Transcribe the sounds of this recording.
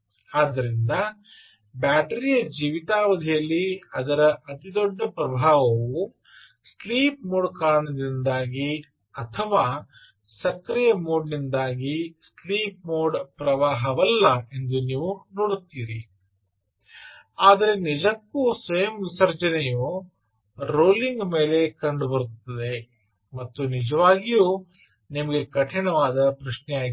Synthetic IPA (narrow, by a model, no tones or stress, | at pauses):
aːd̪ːɐɾind̪ɐ | baːʈɐɾijɐd͡ʒiːʋit̪aːʋɐd̪ʱijɐlːiɐd̪ɐɾɐʔɐt̪id̪ɔɖːɐpɾɐbʱaːʋɐʋu | sliːp̚moːɽkaːɾɐɳɐd̪ind̪aːɡi | ɐt̪ʰɐʋaː | sɐkɾijɐmoːɖnind̪aːɡisliːp̚moːɖpɾɐʋaːɦɐʋɐlːɐe̞nd̪uniːʋunoːɽut̪ːiːɾi | aːd̪ɐɾe̞nid͡ʒɐkːuːsʋɐjɐmʋisɐɾd͡ʒɐnɛju | ɾoːliŋɡme̞ːle̞kɐɳɖubɐɾut̪ːɐd̪e | mɐt̪ːunid͡ʒɐʋaːɡijuː | nimɐɡe̞kɐʈʰiɳɐʋaːd̪ɐpɾɐʃnɛjaːɡi